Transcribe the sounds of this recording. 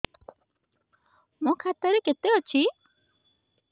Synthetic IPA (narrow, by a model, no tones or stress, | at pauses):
mɔ̃kʰat̪əɾeket̪eɦɔt͡ʃʰi